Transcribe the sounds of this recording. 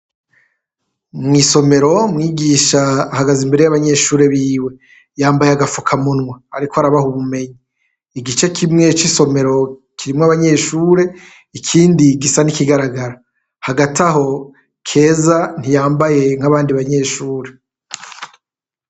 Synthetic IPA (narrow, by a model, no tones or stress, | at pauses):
mŋiːso̞me̞ɾo̞mŋiːɡiːʃaːhaɡazimbeɾe̞jaβaɲe̞ːʃuːɾe̞βiːwe̞ | jaːmbajeaɡafukʰamunŋwaaɾikohaɾaβahuβume̞ɲiː | ɡit͡ʃekʰimŋe̞t͡ʃiso̞me̞ɾo̞kʰiɾimŋaβaɲe̞ːʃuːɾe̞ | ikʰiːndiɡisanikiɡaɾaɡaɾa | haɡataɦo̞ | kʰe̞ːzan̥ijaːmbaje̞ŋ̥aβaːndiβaɲe̞ːʃuːɾe̞